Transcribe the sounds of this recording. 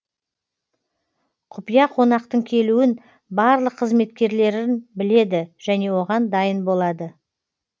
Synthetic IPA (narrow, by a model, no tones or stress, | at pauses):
qʰʊpijɑqʰo̞nɑqt̪əɴkʲʰe̞luɪn | bɑɾlˠəqʰːəzme̞t̪kʲe̞ɾle̞ɾɪɪnbɪle̞d̪ɪʒ̥æne̞wo̞ʁɑnd̪ɑjənbo̞lˠɑd̪ə